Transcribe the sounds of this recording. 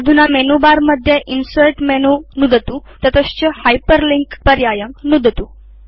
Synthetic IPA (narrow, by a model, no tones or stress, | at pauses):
d̪ʱunamenubaɾməd̪ʱjeʔinsueʈmenunud̪ʱət̪ut̪ət̪əɕt͡ɕəhajpəɾliŋkpəɾjajəŋɡnud̪ʱət̪u